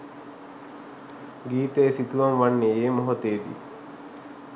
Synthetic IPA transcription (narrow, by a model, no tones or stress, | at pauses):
ɡiːt̪ejːsit̪uʋaŋʋanːeeːmoɦot̪eːd̪ḭ